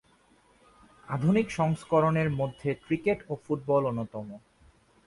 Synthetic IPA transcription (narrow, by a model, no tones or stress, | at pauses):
ad̪ʱunikʃɔŋskoɾoneɾmod̪ʱːekɾikeʈofuʈ̚bɔlonːot̪ɔmo